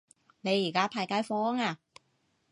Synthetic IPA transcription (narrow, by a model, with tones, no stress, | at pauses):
ne˨˧jiː˨˩kaː˦˥pʰaː˧˩jkaː˨˥jfɔː˦˥ŋa˧